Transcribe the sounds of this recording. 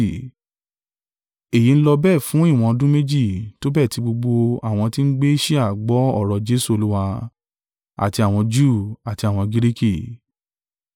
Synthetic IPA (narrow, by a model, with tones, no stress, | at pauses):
e˨ji˨˧n̩˦lɔ˧bɛ˦˨fũ˨˦i˦˨w̃ɔ̃˧dũ˦me˦d͡ʒi˦˨to˨˦bɛ˦˨ti˨˧ɡ͡bo˧ɡ͡bo˧a˦˨w̃ɔ̃˧ti˦n̩˦ɡ͡be˦i˦ʃi˦a˦˨ɡ͡bɔ˨˦ɔ̰˦˨ɾɔ˨d͡ʒe˦su˦o˧lu˦wa˧ | a̰˨ti˧a˨w̃ɔ̃˧d͡ʒu˦˨a˨ti˧a˦˨w̃ɔ̃˧ɡi˦ɾi˦ki˦˨